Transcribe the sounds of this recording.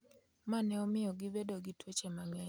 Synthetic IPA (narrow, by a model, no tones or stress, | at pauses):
manɛɔmɪjɔɡɪbedoɡitwot͡ʃemaŋɛ